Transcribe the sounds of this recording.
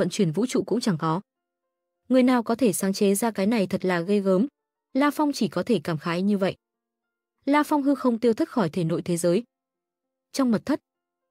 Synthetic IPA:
ə̰˧˨nt͡ɕwi˧˩ənvṵ˧˥t͡ɕṵ˧˨kʊ̰˧˥ŋ͡mt͡ɕa˧˩ŋkɔ˨˦ | ŋɨ˨˩əjnaː˨˩wkɔ˨˦t̪ʰe˧˩saː˨˦ŋt͡ɕe˨˦zaː˧kaː˨˦jna˨˩jt̪ʰə˨˩t̚laː˨˩ɣə˧jɣəː˨˦m | laː˧fɔ˧wŋ͡mt͡ɕi˧˩kɔ˨˦t̪ʰe˧˩kaː˧˩mxaː˨˦jɲɨ˧və̰˧˨jʔ | laː˧fɔ˧wŋ͡mɦɨ˧xə˧wŋ͡mt̪i˧əwt̪i˦˥xɔ˧˩jt̪ʰe˧˩no̰˧˥˨jt̪ʰe˨˦zəː˨˦j | t͡ɕɔ˧wŋ͡mmə˨˩t̪ʰə˦˥t̚

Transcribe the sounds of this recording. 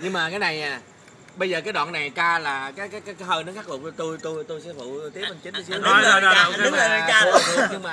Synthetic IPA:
ɲɨ˧ŋmaː˨˩kaː˨˦jna˨˩jɲaː˨˩ | ɓə˧jzəː˨˩kaː˨˦jɗw̰ːnːa˨˩jt͡ɕaː˧laː˨˩kaː˨˦jkaː˨˦jkaː˨˦jkaː˨˦jhəː˧nə˨˦ŋxaː˦˥k̚lə˨˩˧t̪u˧jt̪u˧jt̪u˧jsɛ̰˧˥fṵ˧˨t̪i˦˥ə˥p̚ʔa˧˩ŋt͡ɕï˨˦n˨˧si˨˧˦nː˦˧˨o˧˨˧ɗʊ˦ŋ͡mə˨˩a˨˩t͡ɕaː˧˦˨ɲɨ˧ŋmaː˨˩

